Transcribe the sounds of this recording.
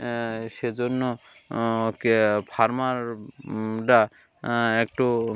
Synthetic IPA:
ʃed͡ʒonːo | kpʰaɾmaɾ | ɖa | ekʈo

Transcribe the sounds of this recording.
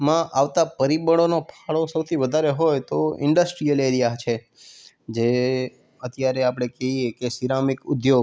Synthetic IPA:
mãʔaʋt̪apəɾibəɽ̃onopʰaɭosəwt̪ʰiʋəd̪ʱaɾeɦojt̪oɪ̰ɳɖəsʈɾijəleɾijat͡ʃʰe | d͡ʒe | ət̪jaɾeapɽ̃ekeɦiekesiɾamikʊd̪jo

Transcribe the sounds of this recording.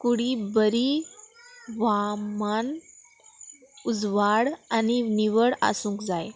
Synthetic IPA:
kuɽibəɾi | ʋaman | ud͡zʋaɽaniniʋəɽa̰sũːŋkd͡zaj

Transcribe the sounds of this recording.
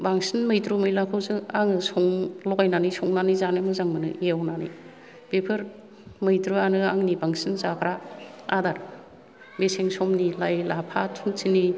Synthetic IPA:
baŋsinmɯjtɾumɯjlakʰawzɯaŋɯsɔŋlɔɡajnanisɔŋnanizanɯmɯzaŋmɯnɯ̰iawnanḭ | b̥epʰɯɾ | mɯjtɾuanɯaŋnibaŋsinzakʰɾaadaɾ | beseŋsɔmnilajlapʰatʰuntʰini

